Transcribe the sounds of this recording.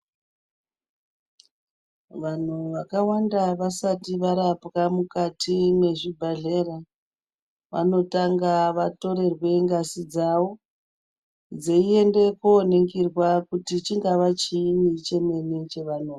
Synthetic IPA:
ʋan̤uʋakawandaʋasatiʋaɾapɣamukatʰimwe̞ʐibʱaɮe̞ra | ʋa̰no̞taŋɡaʋato̞ɾe̞rwe̞ŋɡasid͡zawo̞ | d͡zeie̞nde̞kuːne̞ŋkirwakutit͡ʃiŋɡaʋat͡ʃiit͡ʃe̞me̞net͡ʃe̞ʋanoːa

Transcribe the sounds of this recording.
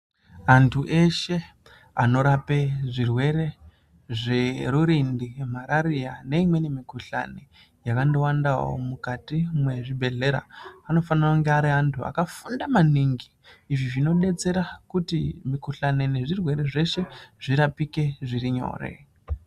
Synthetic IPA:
antʰuʔe̞ʃe̞ | a̰no̞ɾape̞ʐirwe̞ɾe̞ | ʐe̞ɾuɾindim̤aɾaɾijane̞imwe̞nemikuɬa̰ne | jakandowandawo̰mukatimwe̞ʐibʱe̞ɮe̞ɾa̰ano̞fanirauŋɡeaɾiantʰua̰kafundamaniŋɡiː | ʐiʐino̞ɗe̞t͡se̞ɾakutimikuɬane̞ne̞ʐirwe̞ɾe̞ʐe̞ʃe̞ʐ̥iɾapike̞ʐiriɲo̞̰ːre̞̰

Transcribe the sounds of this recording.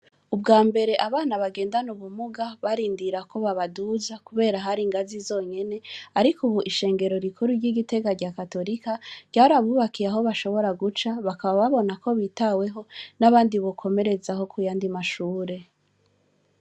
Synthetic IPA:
ubɡaːmbe̞ɾe̞ʔaβaːnaβaɡe̞ːndanuβumuɡaβaɾiːndiɾako̞βaβaduzakuβe̞ːɾaɦaɾiːŋɡazizo̞ːɲe̞ne̞aɾikuβuʔiʃe̞ːŋɡe̞ɾo̞ɾikʰuɾuɾɟiɡite̞ɡaɾɟakato̞ɾikaɾɟ̥aːɾaβuːβakijaɦo̞βaʃo̞βo̞ɾaɡut͡ʃaβakaβaβaβo̞nako̞βitawe̞ɦo̞naβaːndiβo̞kʰo̞me̞ɾe̞zaho̞kujaːndimaʃuːɾe̞

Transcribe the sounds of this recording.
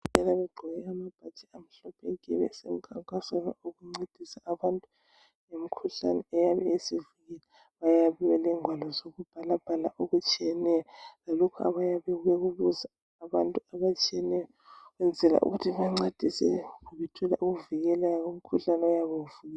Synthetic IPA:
ɛlaβɛɡ͡ǃʱɔɣɛamab̥ʱat͡ʃʰʼiam̩ɬɔpʰɛkʼɛ̰βɛ̰sem̩kʰaŋkʼasanɔ̰uɣuŋ͡ǀed̥ʱisaːβantʼu | jemikʰuɬa̰nɛːjaβɛesiviɣɛlɛ | βajaβiwalɛŋwalɔzoɣub̥ʱalab̥ʱalaʔuɣut͡ʃʼijɛnɛjɔlalɔkʰua̰βajaβɛweɣuβuzaː | βantʼuaβat͡ʃʼiɛnɛjɔ | ɣwɛnd͡zʱɛla̰ʔṵɣutʰiβaŋ͡ǀed̥ʱisɛ̰kuβɛtʰulaʔuɣuviɣɛlajaɣom̩kʰuɬanɛɔjaβowuvuɣɛ

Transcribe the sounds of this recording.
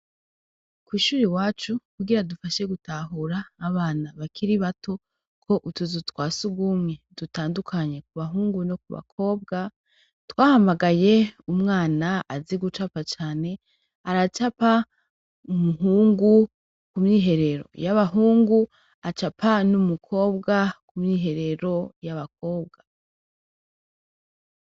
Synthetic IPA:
kwiːʃuːɾiwaːt͡ʃukuɡiɾadufaʃe̞ɡutaɦuɾaːβaːnaβakʰiɾiβatʰo̞ | kʰo̞ʔutuzutwaːsuɡumɲe̞dutaːndukʰaɲe̞kuβaɦuːŋɡuno̞kuβa̰kʰo̞ːb̚ɡa | twaːhamaɡaje̞umŋaːnaaziɡut͡ʃapat͡ʃaːne̞ | aɾat͡ʃapa | umuɦuːŋɡu | kumɲiːɦe̞ɾe̞ɾo̞̰jaβaɦuːŋɡu | at͡ʃapʰanumukʰo̞ːbɡakumɲiːɦe̞ɾe̞ɾo̞jaβak̚o̞ːb̚ɡa

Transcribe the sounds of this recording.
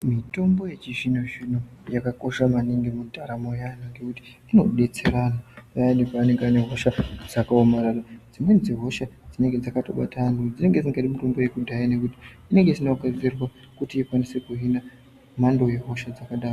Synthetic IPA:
mito̞mbo̞je̞t͡ʃiʒinoʐinojakako̞ʃamaniŋɡimudʱaɾamojanaŋɡe̞kuti̥ | ino̞ɗe̞t͡se̞ɾanapaendipaːne̞ŋɡeane̞ɦoʃad͡zakaomararad͡zimwend͡ziɦo̞ʃad͡zine̞ŋɡe̞d͡zakato̞̰ɓatanud͡zine̞ŋɡe̞d͡ziŋɡatimuto̞mbo̞je̞kudʱajine̞kuti̥ | ine̞ŋɡe̞sinakad͡zirwa | kutiːkwanise̞kuɦina | mando̞je̞ɦo̞ʃad͡zakaɗaːro

